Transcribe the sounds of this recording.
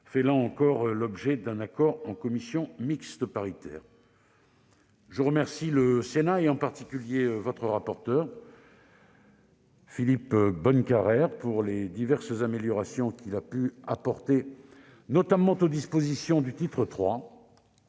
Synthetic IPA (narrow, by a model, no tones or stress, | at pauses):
fɛlaɑ̃kɔʁlɔbʒɛd̪ɛ̃nakɔʁɑ̃kɔmisjɔ̃mikst̪əpaʁit̪ɛ̰ːʁ | ʒəʁəmɛʁsiləsenaeɑ̃paʁt̪ikʲyljeøvɔt̪χəʁapɔʁt̪œːʁ | filipbɔnkaʁɛʁpuʁled̪ivɛʁszameljɔʁasjɔ̃kʲilapyapɔʁt̪e | nɔt̪amɑ̃t̪od̪ispozisjɔ̃d̪yt̪it̪χət̪χwa